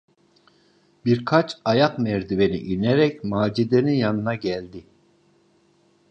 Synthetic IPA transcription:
biɾkʰat͡ʃʰajakmɛɾd̪ibenḭʔinɛɾɛcmaːd͡ʒid̪enijanɯnaɟɛlʲd̪i

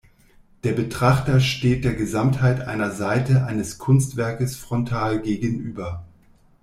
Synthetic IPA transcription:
d̥eːɐbətʁ̥aχtɐʃteːt̚d̥eːɐɡəzamthaɪtʔa̰ɪnɐzaɪtəʔaɪnəskʰʊnstv̥ɛɐkəsfʁ̥ɔntʰaːlɡeːɡənʔyːbɐ

